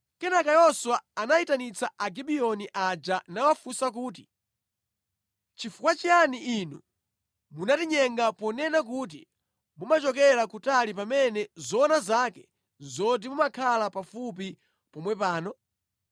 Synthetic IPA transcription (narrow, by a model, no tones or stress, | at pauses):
kɛnakajɔswaːnaitanit͡saaɡiɓiɔniʔad͡ʒanawafusak̬uːt̬i̥ | t͡ʃifukwat͡ʃijaniinu | munatiɲɛŋɡapɔnɛnak̬ut̬i | mumat͡ʃɔkɛɾakutalip̬amɛnɛzɔːnazakɛ | zɔdimumakʰalapafup̬i | pɔmwɛpaːnɔ